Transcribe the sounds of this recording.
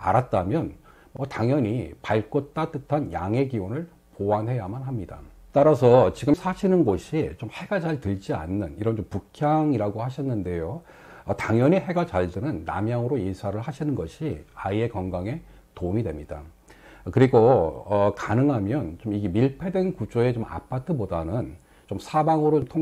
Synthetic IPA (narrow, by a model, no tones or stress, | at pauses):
a̰ɾat̚t͈amjʌn | mwʌtaŋjʌɲipaɭk͈ʌt͈at͈ɯtʰanja̰ŋe̞ɡiwonɯɭ | poanɦe̞jamanɦamɲida̰t͈aɾasʰʌt͡ɕiɡɯsʰaɕʰinɯnɡoɕʰit͡ɕomhe̞ɡat͡ɕaɭtɯɭd͡ʑia̰nːɯniɾʌnt͡ɕompukʰjaŋiɾaɡohaɕʰʌnːɯnde̞jo | ʌtaŋjʌɲiɦe̞ɡat͡ɕaɭdɯnɯnːa̰mjaŋɯɾoisʰaɾɯɭhaɕʰinɯnɡʌɕʰiaie̞kʌŋɡaŋe̞ | toumidwe̞mɲida | kɯɾiɡoʌkanɯŋɦamjʌnt͡ɕomiɡemiɭpʰe̞dwenkud͡ʑoe̞t͡ɕoma̰pʰatʰɯbodanɯn | t͡ɕomsʰabaŋɯɾoomtʰo